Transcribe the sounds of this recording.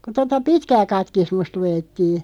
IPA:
ku totɑ pitkæː kɑtkismust luj̆etːiː

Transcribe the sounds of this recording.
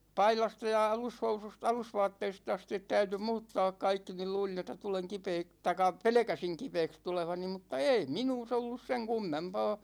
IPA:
pɑilɑstɑ jɑ ɑlushousust ɑlusʋɑːtːeist ɑstit tæyty muːtːɑːk kɑikːi nil luːlin etːæ tuleŋ kipeːk tɑikˑɑ pelĕkæsiŋ kipeːks tuleʋɑni mutːɑ ei minuːs olːus seŋ kumːempɑː

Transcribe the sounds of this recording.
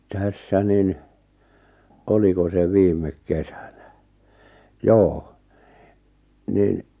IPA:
tæsːæ nin oliko se ʋiːmˑek kesæ̥n̥æ̥ joː nin̆

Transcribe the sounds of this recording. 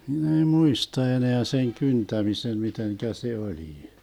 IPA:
hin ei muistɑ eneæ seŋ kyntæmisen miteŋkæ se oliː

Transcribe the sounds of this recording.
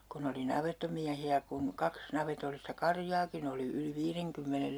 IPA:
kun oli nɑʋetːomiæhiæ kun kɑks nɑʋetolːistɑ kɑrjɑːkin oli yli ʋiːreŋkymːenel

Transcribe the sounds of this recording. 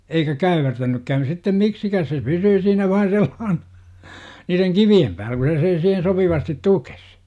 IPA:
eikæ kæyʋertænykːæːn sitːem miksikæːs se pysyː siːnæ ʋɑin̞ selːɑːhn̥ɑ̥ niːreŋ kiʋiem pæːlæ ku se sen siːhen sopiʋɑstit tukes

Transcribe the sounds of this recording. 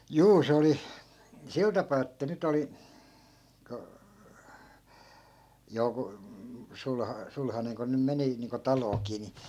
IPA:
juː se oli sil tɑpɑː etːæ nyt oli ko joku sul sulhɑneŋ ko nym meni niːŋko tɑloːkiː ni

